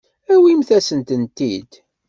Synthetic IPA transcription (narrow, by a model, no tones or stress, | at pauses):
æwimθæsənt̪ənt̪id̪